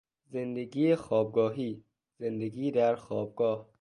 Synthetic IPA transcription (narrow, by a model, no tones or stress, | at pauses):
zend̪eɡiːexɒːb̚ɡɒːɦiː | z̥end̪eɡiːd̪æɾxɒːb̚ɡɒːh